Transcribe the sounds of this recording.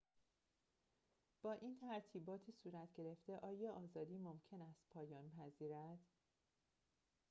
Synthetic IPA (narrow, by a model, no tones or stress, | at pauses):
b̥ɒːʔiːnt̪ʰæɾt̪ʰiːbɒːt̪ʰiːsuːɾæt̪ʰɟe̞ɾe̞ft̪e̞ʔɒːjɒːʔɒːzɒːd̪iːmo̞mcʰe̞næst̪̚pʰɒːjɒːnpʰæziːɾæd̪̥